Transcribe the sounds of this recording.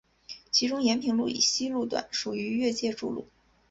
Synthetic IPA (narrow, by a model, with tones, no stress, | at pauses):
t͡ɕʰi˧˥ʈ͡ʂʊ˥ŋjɛ˧˥npʰi˧˥ŋlu˥˩ḭ˨˩ɕi˥lu˥˩t̪̬wa̰˨˩˦nʂu˨˩y˧˥ɥɛ˥˧t͡ɕjɛ˥˧ʈ͡ʂu˥˧lṵ˥˩